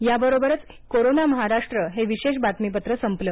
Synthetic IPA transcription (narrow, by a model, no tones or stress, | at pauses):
jabəɾobəɾət͡s | koɾonaməɦaɾaʂʈɾəɦeʋiɕeɕ̬bat̪mip̬ət̪ɾəsəmplə